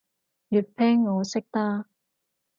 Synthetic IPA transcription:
jyː˨˩t̚pʰɛː˥ŋːɔː˨˧sɪ˥k̚t̪aː˥

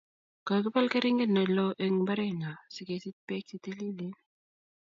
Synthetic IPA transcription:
ka˨kɪ˦pa˦lke˦ɾɪ˦ŋɡe˦nːa˨lɔ˦ʔe˦ŋba˦ɾɛ˦ŋa˨sɪ˨ke˨si˦t̪̚pɛ˦ksi˨t̪e˦li˦le˦n

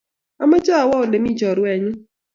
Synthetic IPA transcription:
a˦ma˦d͡ʒa˦˨wɔ˦ʊ˨le˨mi˦d͡ʒɔ˨ɾwɛ˨ɲʊ˦

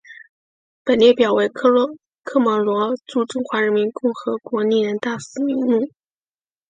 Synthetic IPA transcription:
pə˨˩nljɛ˥˩pjɑ˨˩ʊwe˧˥ɪ˥ | kʰɤ˥˩mɔ˧˥lwɔ˧˥ʈ͡ʂu˥˩ʈ͡ʂʊ˥˩ŋxwa˧˥ɻə˧˥nmi˧˥nkʊ˥˩ŋxɤ˧˥kwɔ˧˥ni˥˩ɻə˧˥nt̪a˥˩s̩˨˩mi˧˥ŋmu˥˩

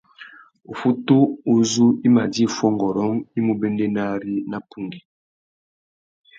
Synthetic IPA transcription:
o˨fu˦tu˦u˦zu˦i˦ma˨di˦˨fɔ˦ŋɡɔ˨ɾɔ˦ŋi˦mu˨bɛ˦ndɛ˦na˦ɾi˦na˦pu˦ŋɡi˨

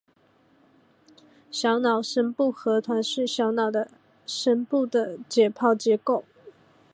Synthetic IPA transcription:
ɕjɑ˧˥ʊnɑ˨˩ʊʂə˥npu˥˩xɤ˧˥t̪ʰwa˧˥nʂɻ̩˥˩ɕjɑ˧˥ʊnɑ˨˩ʊd̪ə˦ | ʂə˥npu˥˩d̪ə˩t͡ɕjɛ˨˩pʰɑ˥˩ʊt͡ɕjɛ˧˥ko˥˩ʊ

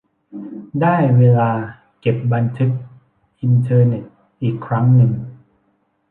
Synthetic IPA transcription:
daː˥˩jweː˧laː˧ | ke˨˩p̚ba˧nt̪ʰɯ˦˥k̚ | ʔi˧nt̪ʰɤː˧ne˨˩t̪̚ | ʔiː˨˩kʰːɾa˦˥ŋnɯ˧ŋ

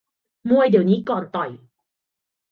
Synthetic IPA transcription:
mu˧əjdiː˨˩əwniː˦˥kɔː˨˩nt̪ɔ˨˩j

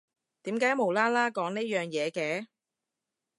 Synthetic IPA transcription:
t̪iː˨˥mkaː˨˥jmo˨˩wlaː˥laː˥kɔː˨˥ŋneː˥jœː˨ŋjɛː˨˧kɛː˧

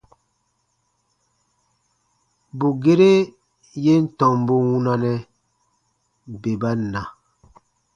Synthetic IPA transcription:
bu˨ɡe˦ɾe˦ | je˦n̩˦tɔ˨m˨bo˦wu˦na˦nɛ˦ | be˨ba˦na˨

